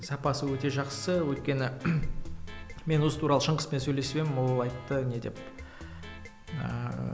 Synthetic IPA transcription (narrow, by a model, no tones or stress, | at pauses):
sɑpɑsəwɵt̪e̞ʒɑqsəwɵjt̪̚kʲe̞nɪ | me̞nwosət̪uɾɑlˠəʃəɴʁəspe̞nsɵjle̞spemɪmwolˠɑjt̪ːəne̞d̪e̞p | ə̰